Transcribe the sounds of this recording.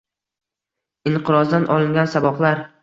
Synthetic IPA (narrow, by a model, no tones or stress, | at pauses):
ɪɴqʰɨɾɒzd̪anʔɒ̰lˠɪŋɡʲansabɒqlaɾ